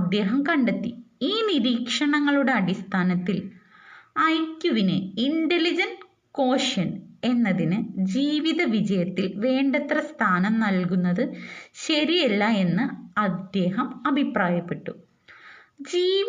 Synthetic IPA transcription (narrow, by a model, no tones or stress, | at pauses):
d̪ːe̞ːɦɐmkɐɳɖet̪ːiiːniɾiːkʂɐɳɐŋːɐɭuɽe̞ɐɽist̪ʰaːnɐt̪ːil | ɐjkjuʋinḛiɳɖelid͡ʑɐn | ko̞ːʂɐne̞nːɐðinɨd͡ʑiːʋiðɐʋid͡ʑɐjɐt̪ːilʋe̞ːɳɖɐt̪rɐst̪ʰaːnɐmnɐlk̬unːɐðɨɕɐɾijelːɐe̞nːɨɐd̪ːe̞ːɦɐmɐbʱipraːjɐpːe̞ʈːu | d͡ʑiː